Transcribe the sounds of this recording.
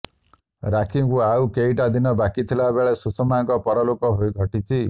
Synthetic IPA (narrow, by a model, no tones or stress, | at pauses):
ɾakʰiŋkuawkeiʈad̪inɔbakit̪ʰilabeɭesusɔmajɔŋkɔpɔɾɔlokɔɦojɡʱɔʈitʰi